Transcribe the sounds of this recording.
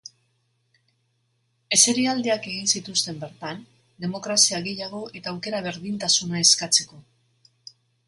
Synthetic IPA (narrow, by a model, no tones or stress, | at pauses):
e̞se̞ɾiald̪eake̞ɣinsit̪ust̪e̞mbe̞ɾt̪an | d̪e̞mo̞kɾasiaɣe̞jaɣ̞o̞ʔe̞t̪aːwke̞ɾaβ̞e̞ɾðint̪asunaeskat͡se̞ko̞